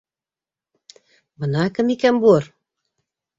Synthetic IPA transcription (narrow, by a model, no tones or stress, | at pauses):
bɤ̆nɑkɘ̆mikænbuɤr